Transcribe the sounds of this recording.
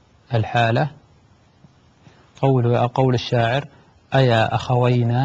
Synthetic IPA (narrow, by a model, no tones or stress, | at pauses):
ʔɪlħaːla | qɑwqɑwlɪʃːaːʕɪɾ | ʔajaːʔaxawajna